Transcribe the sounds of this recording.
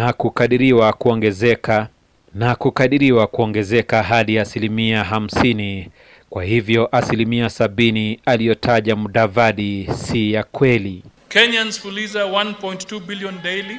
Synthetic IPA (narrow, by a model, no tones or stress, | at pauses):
nakukaɗiɾiwakuɔŋɡɛzɛka | nakukaɗiɾiwakuɔŋɡɛzɛkaɦaɗiasilimiaɦam̩sini | kwahivjɔʔasilimiasaɓinialijɔtʰaʄamuɗavaɗisijakwɛli | kɛɲanzfulizawanpɔjnttːubiliɔndɛjli